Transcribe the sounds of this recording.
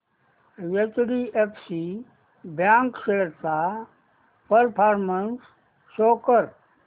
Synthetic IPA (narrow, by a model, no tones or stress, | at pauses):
ʋet͡ʃɽiepʰsi | bjãːŋkʃeɾt̪a | pəɾpʰaːɾmənsː | oːkəɾ